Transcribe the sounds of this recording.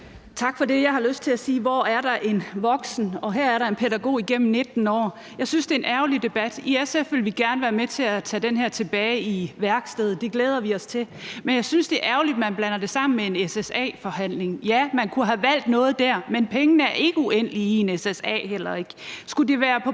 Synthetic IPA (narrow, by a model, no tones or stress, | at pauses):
t͡sʰɑ̈ɡ̥fɒ̽de̝jɑ̈ɪhɑløsd̥̚t͡sʰe̝æsiːʋɒːæɐɾɑ̈ʔe̝nʋɒ̽ɡ̥sn̩ɒ̽ɦæɐæɐɾɑ̈e̝npʰeɾæɡ̥o̝̰ːiɡ̥em̰m̩ne̝d̥n̩ɒ̰ː | jɑ̈ɪsynsd̥e̝enæʊlid̥e̝b̥æd̥iesefʋe̝lʋiɡ̥æɐnəʋæːɐmet͡sʰe̝æt͡sʰɛ̰ːd̥enɦæɐ̰t͡sʰe̝b̥ɛːɪiʋæɐɡ̥sd̥eð̩ˠd̥e̝ɡ̥leːð̞ˠɐʋiɒ̽st͡sʰe̝ | menjɑ̈ɪsynsd̥e̝ʔæɐʊlid̥mænb̥lænɐd̥e̝sɑ̈m̰n̩mee̝nesesɛ̰ːfɒ̽ɦæn̰le̝ŋjæmænkʰuɦæʋæl̰d̥nɔ̽ːð̞̩ˠd̥æɐ̰menpʰeŋənəæɐʔe̝ɡ̥əuen̰əliie̝nesesɛ̰ːhel̰ɐe̝ɡ̥sɡ̥ud̥iʋæːɐpʰɒ̽